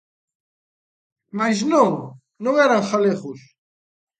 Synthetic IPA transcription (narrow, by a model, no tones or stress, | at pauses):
majznõŋ | nõŋɛɾaŋxaleɣus